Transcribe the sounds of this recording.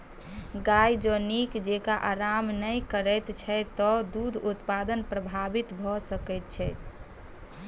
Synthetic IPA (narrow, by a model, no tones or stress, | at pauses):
ɡajd͡ʒənikd͡ʒekaʔaɾamnəjkəɾət̪t͡ʃʰɛt̪ɔd̪ud̪ʱut̪pad̪ənpɾəbʱabit̪bʱɔsəkɛjt̪̚t͡ʃʰɛjt̪